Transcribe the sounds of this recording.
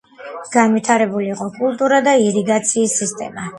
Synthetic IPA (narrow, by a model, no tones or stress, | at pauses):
ɡ̥anvit̪ʰaɾɛbuliːqʼɔkʼulˠt̪ʼuɾad̪aiɾiɡat̪sʰiːsːist̪ʼɛ̰ma